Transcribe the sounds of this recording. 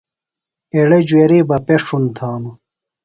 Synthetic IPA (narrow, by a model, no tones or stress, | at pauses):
eɽed͡ʑweːɾiːbɐpeʂunt̪ʰaːnu